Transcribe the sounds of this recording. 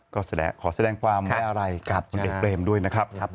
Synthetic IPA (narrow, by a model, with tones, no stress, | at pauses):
kɔː˥˩sa˧dɛ̰ː˧kʰɔː˩˦sa˧dɛː˧ŋkʰwaː˧ma˧˩ʔa˧ɾa˧jka˨˩p̚kʰu˧nʔeː˨˩k̚pleː˧mdu˥˩əjna˦˥kʰɾa˦˥p̚ʰp̚